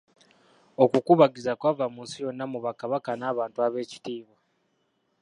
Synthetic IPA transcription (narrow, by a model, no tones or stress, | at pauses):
o̞kukuβaɡizakwaːvamuːnsijo̞nːamuβakaβakanaːβaːntuaβe̞ːci̥tiːβwa